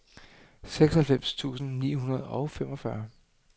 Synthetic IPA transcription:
seɡ̥sɒhælfem̰st͡sʰṵːsn̩niːɦunɐð̞ˠɒʊfem̰ɒ̽fɶɐ

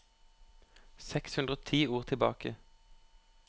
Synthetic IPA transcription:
sɛkshʉnd̪ʁoːt̪ʰiːuːʁt̪ʰɪlbɑ̰ːkə

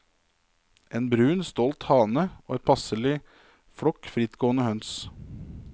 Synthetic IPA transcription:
ʔeːnbɾʉːnst̪ɔlt̪hɑːnəoːɛːt̪̚pʰɑsəlɪ | fɽɔkfɾɪt̪ɡ̥oːənəhœns

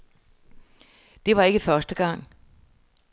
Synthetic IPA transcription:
d̥e̝ʋɑ̈e̝ɡ̥əfɶɐsd̥əɡ̥ɑ̈ŋ̰

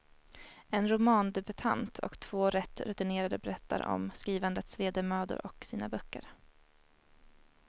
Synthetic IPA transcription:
ɛnɾʊmɑːnd̪ɛbɵt̪ʰa̰nt̪ʰɔ̰kt̪ʰv̥oːɾɛt̪ːɾɵt̪ɪneːɾad̪əbɛɾɛt̪ːa̰ɾɔ̰mskɾiːvand̪ət̪sveːd̪eːmœːd̪ʊ̰ɾɔksiːnabœkːə̰ɾ

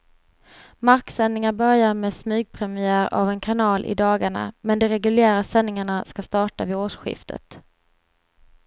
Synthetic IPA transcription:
maɾksɛnːɪŋaɾbœɾjaɾmɛːsmʉ̟ːɡ̚pʰɾɛmɪæːɾa̰vɛnkʰanɑːlʔɪ̰d̪ɑːɡaɳa̰mɛnd̪ɛɾɛɡɵlɪæːɾasɛnːɪŋaɳaskast̪ɑːʈavɪoːʂɧɪ̰ft̪ʰə̰t̪

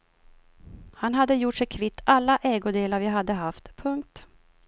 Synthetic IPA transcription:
hanɦad̪ːəjʊʈʂɛjkʰvɪt̪ːalːaʔɛːɡʊd̪eːlaɾvjaɦad̪ːəɦaft̪pʰɵŋk̚t̪

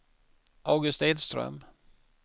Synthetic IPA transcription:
ʔaʊɡɵst̪eːd̪st̪ɾœ̰m

